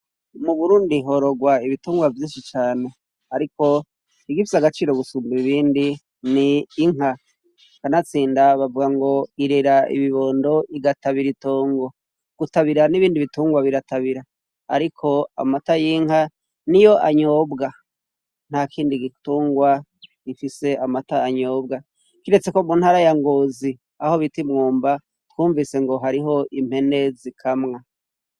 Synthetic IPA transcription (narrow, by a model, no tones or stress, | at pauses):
muβuɾuːndiɦo̞ɾo̞ɡwaiβituːŋɡwavjiːnʃit͡ʃaːne | haɾiko̞ | iɡifizaɡat͡ʃiːɾo̞ɡusuːmbiiβiːndi | niːŋa | kanat͡siːndaβavuɡaŋɡo̞iɾeɾaḭβiβo̞ːndo̞iɡataβiɾitoːŋɡo̞ | ɡ̥utaβiɾaniβiːndiβituːŋɡwaβiɾataβiɾa | a̰ɾikʰo̞a̰matajiːŋha | nijo̞ʔaɲobɡa | n̥hakʰiːndiɡituːŋɡwa | ɡ̥ifise̞amataaɲo̞bɡa | kiɾe̞t͡se̞ko̞munhaɾajaŋɡozi | aho̞βitimŋuːmba | tkuːɱvise̞ŋɡo̞ɦaɾiɦo̞ʔim̥he̞ne̞zikʰamŋa